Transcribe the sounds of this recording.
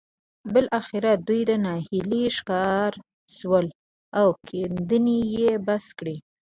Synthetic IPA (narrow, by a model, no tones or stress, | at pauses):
bɪlʔaxɪɾad̪ujd̪ənɑhiliʃkɑɾ | zwəl | awkʰend̪ənijebaskɽi